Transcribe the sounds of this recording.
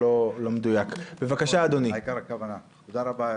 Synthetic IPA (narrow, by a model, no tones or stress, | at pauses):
olo̞med̪ujakbevakaʃaːd̪oniikaɾakavanat̪od̪aʁaba